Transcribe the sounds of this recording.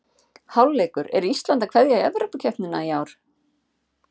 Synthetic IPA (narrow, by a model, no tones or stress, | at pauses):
hawlːɛːkʏɾɛ̰ɾiist̪lant̪akʰvɛðjaɛ̰vɾʏpʏcʰɛht̪nʏnaiaːwɾ̥